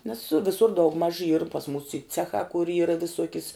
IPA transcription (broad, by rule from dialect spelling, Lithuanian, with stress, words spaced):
nʲɛs ˈʋʲɪsʊr dɐʊɡˈmɐʃ iːr pɐs muːs iː ˈt͡sʲæːxɑː kʊr ˈiːrɐ ʋʲɪˈsuɔkʲɪs